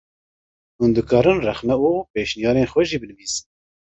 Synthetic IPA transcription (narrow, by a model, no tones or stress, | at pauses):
hund̪ɨkɑːɾɨnrɛxnɛuːpeːʃnijɑːɾeːnxwɛʒiːbɨnɨviːzɨ̥n